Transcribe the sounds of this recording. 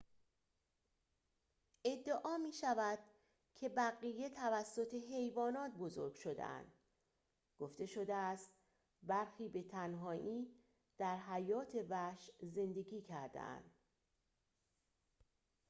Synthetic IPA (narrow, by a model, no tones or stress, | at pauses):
e̞d̪ːeʔɒːmiːʃævæd̪̥̚ | cʰe̞bæɣije̞t̪ʰævæsːo̞t̪ʰe̞ɦe̞jvɒːnɒːt̪ʰbo̞zo̞̰ɾɡʲʃo̞d̪ḛʔæ̰nd̪̥ | ɡ̥oft̪e̞ʃo̞d̪eæst̪ | bæɾxiːbe̞t̪ʰænɦɒːʔiː | d̪̥æɾɦæjɒːt̪ʰe̞væʃze̞nd̪e̞ɡiːcʰæɾd̪ḛʔæ̰nd̪̥